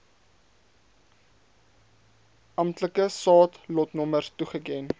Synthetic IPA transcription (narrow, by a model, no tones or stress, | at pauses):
ʔɐmtləkəsɑːtlɔtnɔmərtuχəkɛn